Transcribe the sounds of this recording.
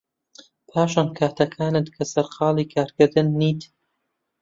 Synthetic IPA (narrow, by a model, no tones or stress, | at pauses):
pʰaːʃankʰaːt̪ʰɐkʰaːnɨt̪̚kʰɐsɐɾqɑːlˠiːkʰaːɾkɨɾd̪ɨnːiːt̪